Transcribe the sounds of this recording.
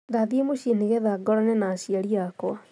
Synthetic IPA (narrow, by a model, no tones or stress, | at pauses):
ðaðimoɕeneɣɛðaɡɔɾɔnɛnaːsiaɾiakwa